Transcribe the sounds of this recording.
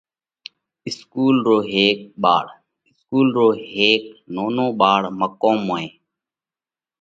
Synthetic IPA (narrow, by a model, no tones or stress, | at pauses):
ɪskuːlɾoːɦeːk̚ɓa̰ːɽ | ɪskuːlɾoːɦeːk̚noːnõːɓaːɽməkoːmoːẽː